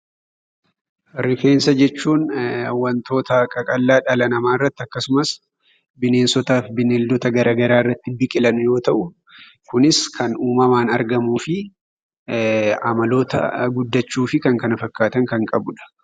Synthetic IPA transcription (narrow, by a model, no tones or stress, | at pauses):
ɾɪfe̞ːnsɐd͡ʒɛt͡ʃːuːnɐwːɐnt̪ʰo̞ːt̪ɐkʼɐkʼɐlːaːᶑɐlɐnɐmaːɪrːɐt̪ːɪɐkːɐsʊmɐs | bɪne̞ːnsɔt̪aːfbɪneld̪ɔt̪ɐɡɐɾaːɡɐɾaːɪrːɐt̪ːɪbɪkʼɪlɐnʊjo̞ːt̪ɐʔʊ | kʊnɪskʰɐnuːmɐmaːnɐɾɡɐmuːfɪ | ɐmɐlo̞ːt̪ɐ̰ɡʊd̪ːɐt͡ʃːuːfɪkɐŋkɐnɐfɐkːaːt̪ɐŋkɐŋkʼɐbʊᶑɐ̥